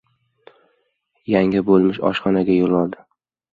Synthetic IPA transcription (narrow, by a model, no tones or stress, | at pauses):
jaŋɪbolˠmɪʃɒ̰ʃχɒnaɡʲajolˠɒlˠd̪ɪ